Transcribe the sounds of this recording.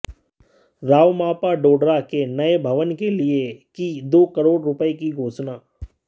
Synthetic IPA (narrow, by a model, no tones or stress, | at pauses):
ɾaːʋmaːpaɖoːɖɾakenɐebʱɐʋənkeliekid̪oːkəɾoːɽɾʊpəekiɡʱoːt͡ʃnaː